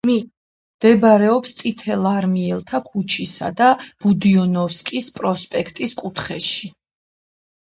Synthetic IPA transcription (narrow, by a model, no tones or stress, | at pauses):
m | md̪̥ɛbaɾɛɔpst̪sʼit̪ʰɛlˠaɾmiɛlˠt̪ʰakʰut͡ʃʰisa̰d̪ab̥ud̪iɔnɔfskʼispʼɾɔspʼɛkʰt̪ʼiskʼut̪ʰχɛʃi